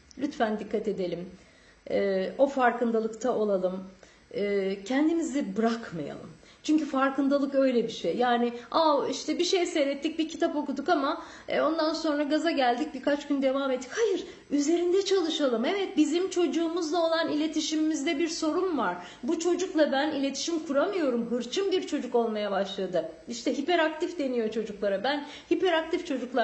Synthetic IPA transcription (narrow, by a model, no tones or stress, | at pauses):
lʲyt̪fænd̪ikʰːat̪e̞d̪e̞lʲim | ɛo̞faɾkɯnd̪alˠɯkt̪ʰaʔo̞lˠalˠɯm | ɛːcʰɛnd̪imizɛbɯɾakmaja̰lˠɯ̰m | t͡ʃʰyɲcyfaɾkɯnd̪alˠɯkø̞jlʲɛbiʃejːaːnɪawiʃt̪ɛbiʃejseɾɛt̪ːic̚bicʰi̥t̪ʰapo̞kud̪ukama | o̞nd̪anso̞nɾaɡazaɟælʲd̪ic̚bikat͡ʃɟynd̪e̞vaːmet̪ːi̥chajɯɾ | yze̞ɾind̪ɛt͡ʃʰalˠɯʃalˠɯmɛvɛt̪̚bizimt͡ʃʰo̞d͡ʒuːmuzlˠao̞lˠanilʲe̞t̪ʰiʃimimizd̪ɛbiɾso̞ɾumvaɾ̥ | but͡ʃʰo̞d͡ʒuklˠabænilʲe̞t̪ʰi̥ʃimkʰuɾamɯjo̞ɾumɦɯɾt͡ʃʰɯmbiɾt͡ʃʰo̞d͡ʒuko̞lˠmajabaʃlˠad̪ɯ | iʃt̪ʰɛɦipɛɾak̚t̪ʰifd̪e̞nijo̞t͡ʃʰo̞d͡ʒuklˠaɾabæn | hipɛɾak̚t̪ift͡ʃʰo̞d͡ʒuklˠa